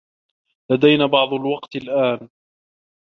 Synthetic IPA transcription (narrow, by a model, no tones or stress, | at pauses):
lad̪ajnaːbɑʕd̪ˤʊlwɑqt̪ɪlʔaːn